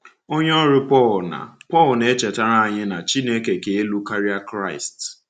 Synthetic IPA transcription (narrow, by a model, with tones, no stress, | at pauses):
o˦ɲ˦ɔ˦ɾɪ˦pɔ˦˨lna̰˨pɔ˦˨lne˦t͡ʃe˨ta˦ɾa˦a˨ɲɪ˦na˨t͡ʃi˦ne˦ke˨ke˦lu˦ka˦ɾi˦a˦kɾa˦˨ɪ˨st